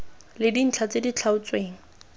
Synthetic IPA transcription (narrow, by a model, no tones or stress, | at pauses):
lɪdin̩t͡ɬʰat͡sedit͡ɬʰaʊt͡sweːŋ̩